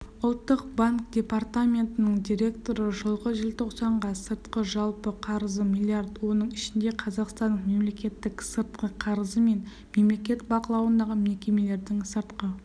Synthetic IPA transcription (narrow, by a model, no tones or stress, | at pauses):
ʊlˠt̪ːəq̚baŋk̚d̪̥ʲe̞part̪amʲe̞nt̪ɪnəɴd̪ʲiɾʲe̞kt̪o̞ɾəʒəlˠʁəʒɪlʲt̪ʰoqsɑɴʁɑsəɾt̪qəʒɑlˠpəqʰɑɾəzəmʲijlʲˠːiard̪wo̞nəɴɪʃɪnd̪e̞qʰɑzɑqst̪ɑnːəɴme̞mle̞kʲe̞t̪ːɪksəɾt̪qəqʰɑɾəzəme̞n | me̞mle̞kʲe̞t̪bɑqəlˠɑwənd̪ɑʁəme̞kʲe̞me̞le̞ɾd̪ɪŋsəɾt̪qə